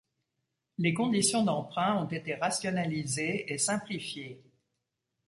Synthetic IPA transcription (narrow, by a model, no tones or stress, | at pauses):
lekɔ̃d̪isjɔ̃d̪ɑ̃pχɛ̃ɔ̃t̪et̪eʁasjɔnalizeesɛ̃plifje